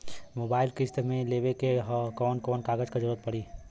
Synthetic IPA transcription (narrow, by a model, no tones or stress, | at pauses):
moːbaːɪlkɪst̪mẽleːʋekeɦkɔːnkɔːnkaːɡəd͡ʒkad͡ʒəɾuːɾət̪pɐɽiː